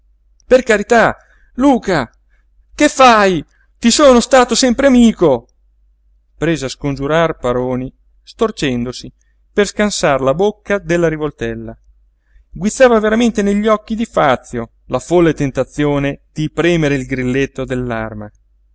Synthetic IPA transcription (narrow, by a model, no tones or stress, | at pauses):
perkaɾit̪a | luːka | kefːaj | t̪isoːnost̪aːt̪osɛmpɾeamiːko | pɾeːzeaskond͡ʒuɾarpaɾoːni | st̪ort͡ʃɛnd̪osi | perskansarlabokːad̪elːaɾivolt̪ɛlːa | ɡwit̪sːaːvaveɾament̪eneʎːiɔkːid̪ifat̪sːjo | lafolːet̪ent̪at̪sːjoːned̪̥ipɾɛːmeɾeilɡɾilːet̪ːod̪elːa̰rma